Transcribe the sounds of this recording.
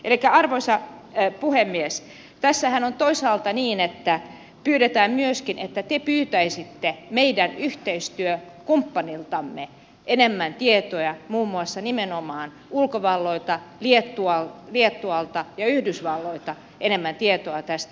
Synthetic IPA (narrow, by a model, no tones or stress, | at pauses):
ʔelikːæɑrʋoisɑpuhemːies | t̪æsːæhænont̪oisɑːlt̪ɑniːnet̪ːæ | pyːɾet̪æːmmyøskinʔet̪ːæt̪epyːt̪æisit̪ːemeidænyht̪eist̪yø | kumpːɑnilt̪ɑmːe | ʔenemːænt̪iet̪ojɑmuːmːuɑsːɑnimenomɑːn | ulkoʋɑlːoit̪ɑliet̪ːuɑlliet̪ːuɑlt̪ɑjɑyhdysʋɑlːoit̪ɑ | ʔenemːænt̪iet̪oɑt̪æst̪æ